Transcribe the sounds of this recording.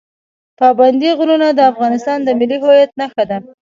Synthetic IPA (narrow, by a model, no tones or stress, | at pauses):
pɑband̪iɣununad̪əafɣɑnɪst̪ɑnd̪əmɪlːiɦojat̪̚naxad̪a